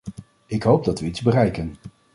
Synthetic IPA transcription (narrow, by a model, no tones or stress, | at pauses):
ɪkɦowb̚dɑtʋəidzbərɛjkən